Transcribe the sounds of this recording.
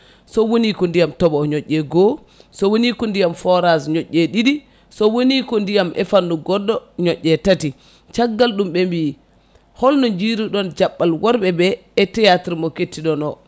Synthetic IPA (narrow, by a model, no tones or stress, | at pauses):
sɔwonikɔndijamtɔbɔɲɔʔːɛɡɔ | sɔwonikɔndijamfɔɾazɲɔʔːɛɗiɗi | sɔwonikɔndijamʔɛfanduɡɔdːɔɲɔʔːɛtati | t͡ʃaɡːalɗumɓɛmbiː | hɔlnɔd͡ʒiɾuɗɔnd͡ʒaɓːalwɔɾɓɛbɛː | tɛjatiɾmɔketːiɗɔnɔ